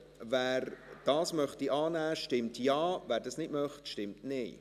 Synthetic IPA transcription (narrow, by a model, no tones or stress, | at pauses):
væːɾd̥ɑːsmœχtiʔɑːnæːʃtɪmtjɑːvæːɾdɑsnɪdmœχtʃtɪmtnɪː